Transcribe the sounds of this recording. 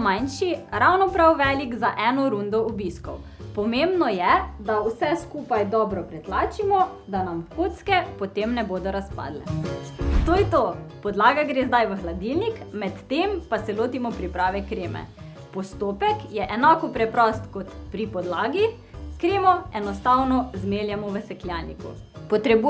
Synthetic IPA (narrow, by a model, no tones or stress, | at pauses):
majnʃiɾawnɔpɾawʋɛlikzaʔɛnɔɾund̪ɔɔbiskɔw | pɔmembnɔjɛd̪awsɛskuːpajd̪ɔbɾɔpɾɛt̪laːt͡ʃimɔ | d̪anamkʰot̪skɛpɔt̪emnɛboːd̪ɔɾaspa̰ːd̪lɛ̰ | t̪oːjɛt̪opɔd̪laːɡaɡɾeːzd̪ajʋəxlad̪ilnikmɛt̪ːempasɛloːt̪imɔpɾipɾaːʋɛkɾeːmɛ̰ | pɔst̪opɛkjɛʔɛnaːkɔpɾɛpɾɔst̪kɔt̪pɾipɔd̪laːɡi | kɾeːmɔɛnɔst̪awnɔzmeljɛmɔʋəsɛkljanikṵ | pɔt̪ɾɛbu